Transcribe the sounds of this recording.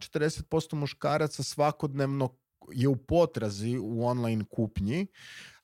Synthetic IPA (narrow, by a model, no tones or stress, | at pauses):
t͡ʃet̪ɾd̪ese̞t̪̚po̞st̪o̞muʃkaːɾat̪sasʋako̞d̪neʋno | je̞upo̞t̪ɾaziuo̞nlˠajnkʰupɲi